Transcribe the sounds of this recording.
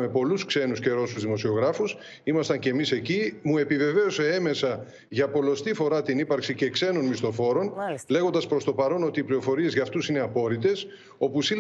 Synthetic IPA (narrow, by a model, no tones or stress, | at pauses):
me̞po̞luskse̞nusce̞ɾo̞suzðimo̞sio̞ɣɾɐfus | imɐst̪ɐɲce̞ːmise̞cimue̞pive̞ve̞ose̞eme̞sɐ | ʝɐpo̞lo̞st̪ifo̞ɾɐt̪inipɐɾksice̞kse̞no̞nmist̪o̞fo̞ɾo̞nle̞ɣo̞nd̪ɐspɾo̞st̪o̞pɐɾo̞no̞t̪iːplio̞fo̞ɾie̞zʝɐft̪usine̞ɐpo̞ɾit̪e̞s | o̞pusil